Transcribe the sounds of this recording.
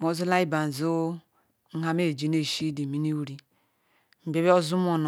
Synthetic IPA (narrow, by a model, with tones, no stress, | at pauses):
mo˨˦zu˦la˦i˦ba˨n̩˨zu˦ | ŋ̩˦ɦa˦me˦˨d͡ʒi˨ne˦˨ʃi˦di˨mi˦ni˦wu˦ɾi˦ | m̩˨be˦be˦o˦zu˦m˦o˦˨n˨